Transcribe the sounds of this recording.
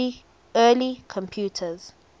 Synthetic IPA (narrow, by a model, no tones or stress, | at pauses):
ɛlikʰɔ̃mpʰjutʰəz̥